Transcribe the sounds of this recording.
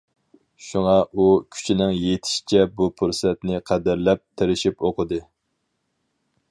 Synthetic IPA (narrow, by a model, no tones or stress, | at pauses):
ʃuŋɑʔukʲʰy̥t͡ʃʰinɪŋjet̪ʰɪ̥ʃi̥t͡ʃʰɛbupʰuɾsɛt̪nɪqʰɛd̪ɪɾlɛp̚t̪ʰeɾɪʃipoqʰəd̪ɨ